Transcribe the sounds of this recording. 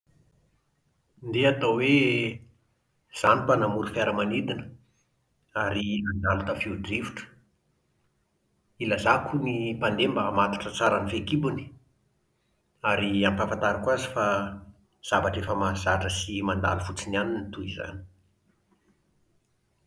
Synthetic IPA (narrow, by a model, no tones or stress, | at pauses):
nd̪eat̪owe | z̥anipanamuɾufaɾəmanid̪inə̥ | aɾimand̪alut̪afeuɖ͡ʐivuʈ͡ʂə̥ | ilazakunipand̪embamat̪u̥ʈ͡ʂət͡saɾanifekibuni̥ | aɾiampafant̪aɾakwazi̥fa | z̥avaʈ͡ʂefəmazaʈ͡ʂəsimand̪a̰lufut͡sinaninit̪uiza̰ni̥